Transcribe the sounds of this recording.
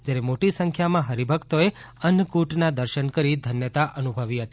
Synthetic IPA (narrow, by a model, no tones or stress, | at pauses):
d͡ʒjaɾemoʈisə̃ŋkʰjamãɦəɾibʱəkt̪oeənəkuʈnad̪əɾʃənkəɾid̪ʱənjət̪aʔənubʱəʋiɦət̪i